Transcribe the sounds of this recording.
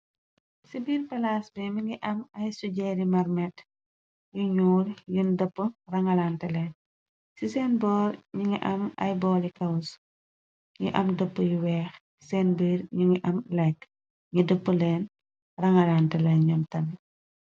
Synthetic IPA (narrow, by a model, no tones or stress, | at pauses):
sibiːrpɐlaːsbɛmiŋɡiʔɐmɐjsuɟɛɾimɐrmɛt | juɲuːljundəpːərɐŋɐlantɛlɛːn | sisɛːnbɔːɾɲuŋɡiʔɐmɐ̰jbɔːlikɐws | ŋɡiʔɐmdəpːəjuwɛːxsi̥sɛːnbiːɾɲuŋɡiʔɐmlɐjk | ŋɡidəpːəlɛːn | rɐŋɐlantɛlɛnɲɔmtɐmi